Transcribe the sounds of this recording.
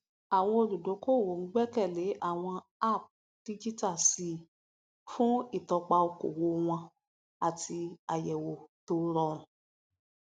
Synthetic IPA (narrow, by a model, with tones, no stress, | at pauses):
a˨w̃ɔ̃˧o˧ɾu˨do˨˦ko˦˨wo˨ŋ̩˦ɡ͡bɛ˦kɛ˦˨le˨˦ʔa˦˨w̃ɔ̃˧ | a˦˨p̚ | d̥i˦d͡ʒi˦ta˦˨si˨˧ | fũ˦i˦˨tɔ˧k͡pa˧o˧ko̰˨wo˨˧w̃ɔ̃˧ | a˨tʰi˧a˨jɛ˨wo˨to˧ɾɔ˧ɾ̃ũ˨